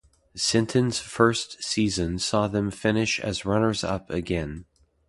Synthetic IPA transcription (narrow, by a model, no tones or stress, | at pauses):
sɪ̃ntʰɨ̃nz̥fɜ˞stsizɨ̃nsɔðɨ̃ɱfɪ̃nɪʃɨ̰zɹʌnə˞zʌ̰pɨɡɛ̃n